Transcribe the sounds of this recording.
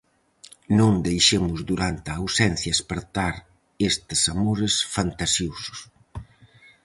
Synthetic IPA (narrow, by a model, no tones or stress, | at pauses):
nõnd̪ejʃemʊzd̪uɾant̪aːwsɛn̟θjaespeɾt̪aɾ | est̪ɪsamoɾɪsfant̪asjosʊ̥s